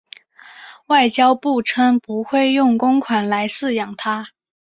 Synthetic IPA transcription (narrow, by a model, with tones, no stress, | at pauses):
wa˥˩ɪt͡ɕjɑ˥ʊpu˥˩ʈ͡ʂʰə˥ŋpu˧˥xwe˥˧ɪjʊ˥˩ŋkʊ˥ŋkʰwa˨˩nla˧˥ɪsɹ̩˥˧jɑ˨˩ŋt̪ʰa˥